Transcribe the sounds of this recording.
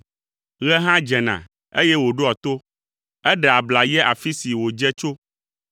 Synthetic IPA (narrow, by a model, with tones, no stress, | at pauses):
ɣɛ˦ɦã˦d͡ʒɛ˨nã̰˨ | e˦jɛ˦wo˨ɖo˦a˨t̪o˦ | ɛ˦ɖɛ˨a˨bla˨jɛ˦ʔa˨fi˦si˨wo˨d͡ʒɛ˦t͡ʃo˦